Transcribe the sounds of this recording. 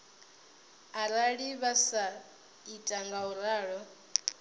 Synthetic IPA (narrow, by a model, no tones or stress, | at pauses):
aɾaɺiβasa | itʼaŋɡauɾaːɺɔ